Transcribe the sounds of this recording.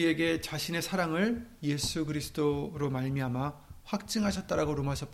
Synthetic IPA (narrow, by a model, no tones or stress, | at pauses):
ie̞ɡe̞t͡ɕaɕʰine̞sʰaɾaŋɯɭje̞sʰuɡɯɾisʰɯ̥doɾomaɭmiɦamaɸwak̚t͡ɕ͈ɯŋɦaɕʰʌt̚t͈aɾaɡoɾomaɕʰʌp͈